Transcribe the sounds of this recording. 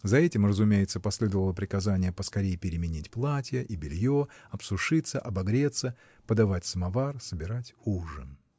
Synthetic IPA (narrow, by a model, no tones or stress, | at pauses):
zɐɛtʲɪmrəzʊmʲejɪt̪səpɐsʲlʲed̪əvəlˠəpɾʲɪkɐzanʲɪjəpəskɐɾʲejɪpʲɪɾʲɪmʲɪnʲitʲplˠatʲɪjəʔibʲɪlʲjoɐpsʊʂɨt̪sːəʔɐbɐɡɾʲe̞t̪sə | pəd̪ɐvatʲsəmɐvarsəbʲɪɾatʲuʐən